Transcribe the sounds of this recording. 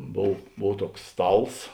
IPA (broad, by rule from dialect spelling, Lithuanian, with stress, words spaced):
ˈboːw ˈboːw ˈtuɔks ˈstɐlˠs